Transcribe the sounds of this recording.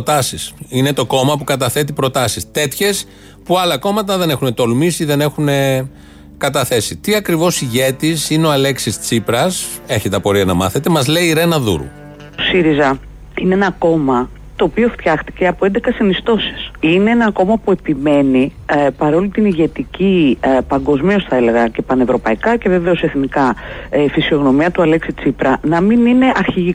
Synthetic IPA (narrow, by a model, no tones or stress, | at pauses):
ot̪ɐsisine̞t̪o̞ko̞mɐpukɐt̪ɐθe̞t̪̬ipɾo̞t̪ɐsist̪e̞t̪çe̞s | puɐlɐko̞mɐt̪̬ɐðe̞ne̞xune̞t̪o̞lmisiðe̞ne̞xune̞ | kɐt̪ɐθe̞sit̪iɐkɾivo̞siʝe̞t̪isineoɐle̞ksist͡sipɾɐs | e̞çet̪et̪ɐpoɾiɐnɐmɐ̰θe̞t̪emɐzle̞iɾe̞nɐðṵɾṵ | osiɾizɐ | ineenɐko̞mɐ | t̪o̞ːpio̞ft̪çɐxt̪i̥ce̞ɐpo̞e̞nd̪ekɐsinist̪o̞si̥sine̞enɐko̞mɐpue̞pime̞nipɐɾo̞lit̪iniʝe̞t̪icipɐŋɡo̞zmio̞sθɐe̞le̞ɣɐce̞pɐne̞vɾo̞pɐikɐce̞ve̞ve̞o̞se̞θnikɐifisio̞ɣno̞miɐt̪uɐle̞ksit͡sipɾɐnɐminine̞ʔɐɾçiʝi